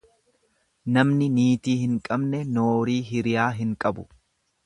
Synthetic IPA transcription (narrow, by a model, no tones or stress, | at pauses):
nɐmnɪniːt̪iːhɪŋkʼɐbnɛnoːɾiːɦɪɾɪjaːɦɪŋkʼɐbʊ̥